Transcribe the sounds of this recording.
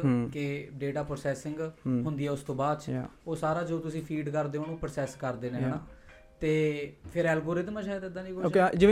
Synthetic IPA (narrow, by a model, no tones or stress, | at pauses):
keɖeːʈaːpɾoːsɛːsɪ̃ŋɡɦʊnd̪iːɛːʊst̪õːbaːd̪t͡ʃoːsaːɾaːd͡ʒoːt̪ʊsĩːpʰiːɖkəɾd̪eːɦõːnũːpɾoːsɛːskəɾd̪eːnẽːɦɛːnãː | t̪eːpʰɪɾɛːlɡoːɾɪd̪məd͡ʒaːet̪ɛd̪aːnĩːkod͡ʒɪ